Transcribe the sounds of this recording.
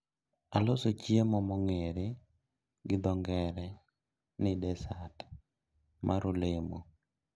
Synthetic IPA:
alosot͡ʃjemɔmɔŋeɾe | ɡɪd̪ɔŋɡɛɾɛ | nɪdɛsat | mʔaɾʊlemo̰

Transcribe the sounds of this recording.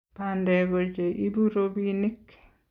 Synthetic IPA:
pandɛɡɔd͡ʒɛʔibuɾobinikː

